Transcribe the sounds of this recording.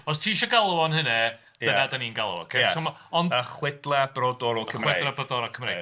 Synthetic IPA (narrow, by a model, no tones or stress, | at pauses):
ɔstʰiːʃɔɡalˠɔnhənɛ | dəðadaniːnɡalˠɔ̰kʰesɔmɔnəχwɛdlˠabrodɔɾɔkʰəwɛdrabədɔɾɔkʰəmrḛ